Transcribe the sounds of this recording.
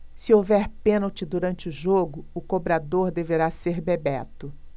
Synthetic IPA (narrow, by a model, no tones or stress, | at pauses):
sɪowvɛɾpẽnowt͡ʃɪd̪uɾɐ̃nt͡ʃɪʊʒoɡʊʊkobɾad̪oɾd̪eveɾaseɾbebɛt̪ʊ